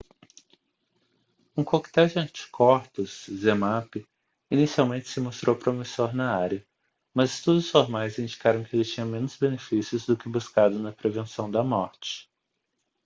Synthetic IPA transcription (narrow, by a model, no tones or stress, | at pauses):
ũkokt̪ɛwd͡ʒɪɐ̃nt͡ʃi̥kʰɔɾt̪ʊzzemapɪ | inisiawmẽnt͡ʃɪ̥sɪmost̪ɾowpɾomisoɾnɐaɾiɐ | mɐzɪst̪ud̪ʊsfoɾmajzĩd͡ʒikaɾɐ̃w̃kɪelɪt͡ʃĩɲɐmẽnʊzbenefisjʊzd̪ʊkɪbuskad̪ʊnɐpɾevẽsɐ̃w̃d̪ɐmɔɾt͡ʃɪ̥